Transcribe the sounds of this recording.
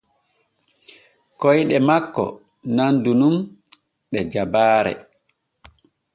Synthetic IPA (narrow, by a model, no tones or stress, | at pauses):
kɔjɗɛmakːɔ̰ | nandunum | ɗɛd͡ʒabaːɾɛ̰